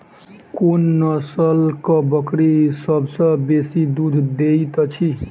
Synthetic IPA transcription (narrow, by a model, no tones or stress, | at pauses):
konːəsəlkəbəkɽisəbʱsə̃besid̪ud̪ʱd̪et̪t͡ʃʰi